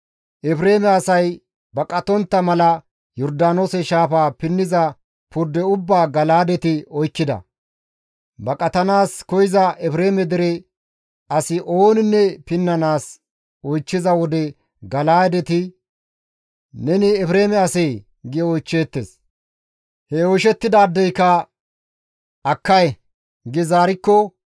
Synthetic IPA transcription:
ʔɛpɾe̞ːmɛɐsɐj | bɐkʼɐt̪ɔnt̪ːɐmɐlɐ | jɔɾd̪aːnoːsɛʃaːfaːpɪnːɪzɐ | pʊɾd̪ːɛʊbːaːɡɐlaːd̪ɛt̪ɪɔjkːɪd̪ɐ̰ | bɐkʼɐt̪ɐnaːskɔjɪzɐʔɛpɾeːmɛd̪ɪɾɛ | ɐsɪʔo̞ːnɪnːɛpɪnːɐnaːs | ɔjt͡ʃːɪzɐwɔd̪ɛ | ɡɐlaːd̪ɛt̪ɪ | nɛnɪɛpɾe̞ːmɛɐsɛj | ɡɪjɔɔjt͡ʃːe̞ːt̪ːḛːs | hɛoːʃɛt̪ːɪd̪aːd̪ːɛjkɐ | ɐkːɐj | ɡɪzaːɾɪkːɔ

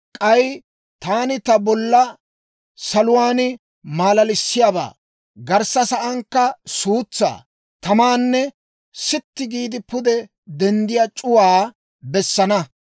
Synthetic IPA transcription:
kʼɐj | t̪aːnɪt̪ɐbɔlːɐ | sɐlʊwaːnɪ | maːlɐlɪsːɪjaːba̰ː | ɡɐɾsɐsɐʔɐŋkːɐsuːt͡sːa̰ː | t̪ɐmaːnːɛ | sɪt̪ːɪɡiːd̪ɪpʊd̪ɛ | d̪ɛnd̪ɪjaːt͡ʃʼʊwaː | bɛsːɐnɐ

